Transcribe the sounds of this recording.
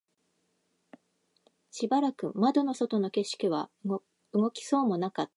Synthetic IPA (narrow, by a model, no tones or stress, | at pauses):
ɕibaɾakɯ̟mad̪o̞no̞so̞t̪o̞no̞ke̞ɕi̥kʲiβ̞a | ɯɡo̞kʲi̥so̞ːmo̞nakat̪ːḁ